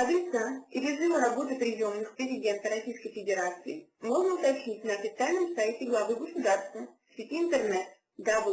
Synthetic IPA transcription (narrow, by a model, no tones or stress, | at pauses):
ad̪ʲɪt̪saiɾʲɪzɨvəɾabo̞t̪ɨpɾʲɪjomnɨxpɾʲɪzʲɪdʲe̞nt̪əɾɐsʲijskəjfʲɪdʲɪɾat̪sɨɪmo̞ʐnəʊt̪apɕit̚ʲnɐːfʲɪt̪sɨalʲnɨmsajtʲɪɡlˠɐvɨɡəsʊd̪arst̪və | sʲitʲiːnt̪ɛrnɛt̪ | d̪ab